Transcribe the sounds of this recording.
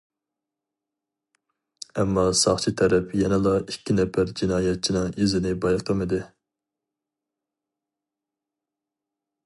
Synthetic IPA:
ɛmːɑsɑχt͡ʃʰit̪ʰɛɾɛpʰjɛnɨlˠɑʔikʲʰːinɛpæɾd͡ʒinɑːjɛt̪̚t͡ʃʰinɨŋizɪnɪbɑjt̪ʰɑmɨd̪ɪ

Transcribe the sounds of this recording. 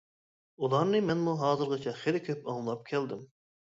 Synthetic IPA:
ulˠɑɾnɨmɛnmuɦɑːzɨɾʁɑt͡ʃʰɛχelɪkʲʰøpɑŋlˠɑp̚kʲʰɛld̪ɪm

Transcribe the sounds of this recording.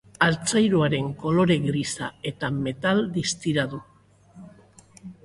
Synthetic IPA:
alt͡sajɾoaɾe̞ŋko̞lo̞ɾe̞ɣɾisa̰e̞t̪ame̞t̪ald̪ist̪iɾaðu

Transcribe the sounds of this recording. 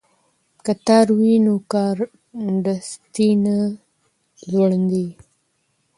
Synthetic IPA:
kat̪ɑɾwinokɑɾ | ɖast̪ina | zwaɽnd̪i

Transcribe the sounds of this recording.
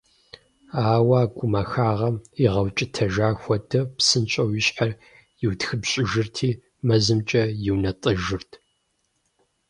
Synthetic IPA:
aːwaːɡʷʊmɐxaːʁɐmiʁɐwt͡ʃʼɪtʰɐʒaːxʷɔdʰɐpsɨnɕʼɐwɪɕʼħar | jɪwtxɨbɕʼɪʒɪrtʰiː | mɐzɨmt͡ʃʼɐjɪwnɐtʼɨʒɨrtʰ

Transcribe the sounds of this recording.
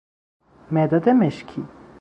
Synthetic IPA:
med̪ɐd̪emeʃkʰi

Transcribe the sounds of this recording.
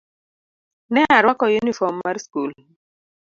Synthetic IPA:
nɛaɾwakɔjunifɔmaɾskul

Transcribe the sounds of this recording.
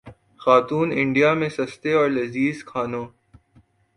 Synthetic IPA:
xaːt̪uːnɪ̃ɳɖijamẽsɐst̪eɔːɾlɐziːzkʰaːnõː

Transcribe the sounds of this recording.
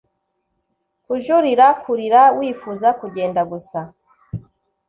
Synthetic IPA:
kuʒuɾiɾakuɾiɾawiːfuzakuɟe̞ːndaɡusa

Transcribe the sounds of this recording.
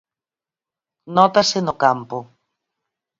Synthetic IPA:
nɔt̪asɪnʊkampʊ

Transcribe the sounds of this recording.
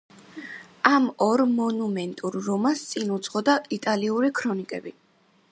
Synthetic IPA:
amɔɾmɔnumɛnt̪ʼuɾːɔmast̪sʼinut̪sʼqʼɔd̪aʔit̪ʼaliuɾikʰɾɔnikʼɛbi

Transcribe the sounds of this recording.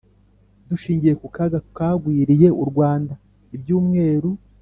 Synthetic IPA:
duʃiːɲɟije̞kukaɡatu̥kaɡwiːɾije̞uɾɡwaːnda | ibjuːmŋe̞ːɾu

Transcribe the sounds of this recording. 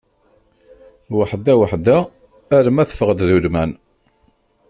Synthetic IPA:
wəħd̪æwəħd̪æː | ɾmæθfəʁəd̪ðulmæn

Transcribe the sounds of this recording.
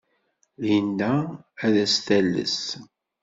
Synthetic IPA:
inːææðæsθælːə̰s

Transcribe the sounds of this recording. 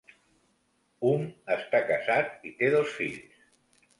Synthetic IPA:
uməst̪akəzat̪it̪eðosfḭʎs

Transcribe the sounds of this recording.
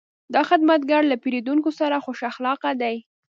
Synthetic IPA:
d̪ɑxɪd̪mat̪ɡaɽlapiɾed̪uŋkosaɾaxoʃaxlɑqad̪aj

